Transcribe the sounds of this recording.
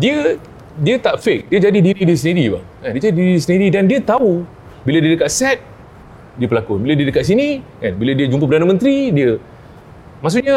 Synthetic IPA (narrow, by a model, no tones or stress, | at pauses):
diə | diət̪aʔfek̚diəd͡ʒadidiɾidisəniɾiba̰kandiəd͡ʒadidiɾidisəniɾidandiət̪au | biladiədəkaʔ̪̚sɛt̪̚ | diəpəlakubiladiədəkaʔ̪s̬inikanbiladiəd͡ʒumpəpədanəmə̃nt̪ɾidiə | mas̬uʔɲə